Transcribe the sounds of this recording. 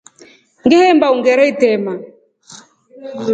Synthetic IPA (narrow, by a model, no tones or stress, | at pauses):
ŋɡɛhɛmbauŋɡɛɾɛitɛma